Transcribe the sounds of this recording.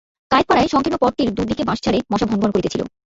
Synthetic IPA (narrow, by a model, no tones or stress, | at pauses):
kajk̚paɾaeʃɔŋkʰenopɔɾʈ̪iɾd̪ud̪ikebãʃt͡ɕʰaɾemɔʃabʱɔnbʱonkoɾit̪et͡ɕʰilo̰